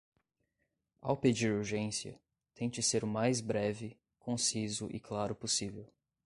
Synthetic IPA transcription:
a̰wped͡ʒiɾuɾʒẽsiɐ̰ | t̪ẽt͡ʃɪseɾʊmajzbɾɛvɪ | kʰõsizʊʔɪ̰klaɾʊposivew

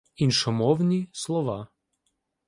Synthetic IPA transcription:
inʃɔmɔʋnʲislˠɔʋa

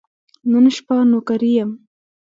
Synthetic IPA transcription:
nunʃpanokaɾijəm

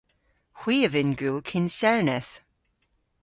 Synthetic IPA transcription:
hw̥iːəvɪnɡukʰɪnsɛɹnɛθ

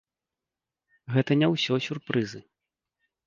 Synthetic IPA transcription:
ɣɛt̪ɐnʲawsʲɔsʲurpɾɨzɨ

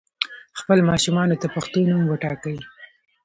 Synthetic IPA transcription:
xpəlmɑʃumɑnot̪apaxt̪onumwəʈɑkəwi

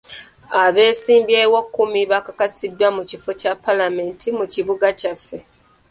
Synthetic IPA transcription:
aβe̞ːsiːmbjewakːumiβakakasidːwamucifocapːalame̞ntʰimuciβuɡacafːe̞

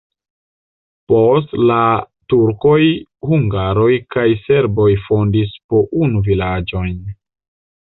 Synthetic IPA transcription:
po̞s̬tla | tuɾko̞jhuŋɡaɾo̞jkajse̞ɾbo̞jfo̞ndispo̞ʔunuvilad͡ʒo̞jn

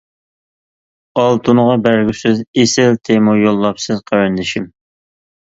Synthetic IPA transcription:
ɑlˠt̪ʰunʁɑbæɾɡʲysɪzesɪlt̪ʰemojolˠːɑpsɨzqʰɑwɛnd̪ɪʃim

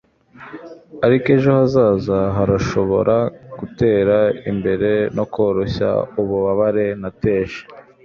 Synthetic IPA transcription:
aɾike̞ʒohazaːzaɦaɾaʃo̞βo̞̰ɾʔaɡ̥ute̞ːɾaimbe̞ɾe̞no̞ko̞ːɾo̞ɕa̰uβuβaβaɾe̞nate̞ːʃe̥

